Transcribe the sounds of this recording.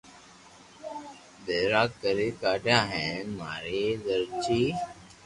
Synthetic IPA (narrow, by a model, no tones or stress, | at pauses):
d̪eːɾaːkːəɾikaːʈjãːɦɛ̃ma̰ːɾed̪əɾt͡ʃiː